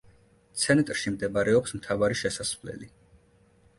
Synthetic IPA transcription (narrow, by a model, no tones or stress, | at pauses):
t̪sʰɛnt̪ʼɾʃimd̪ɛbaɾɛɔpsmt̪ʰavaɾiʃɛsasvlɛ̰li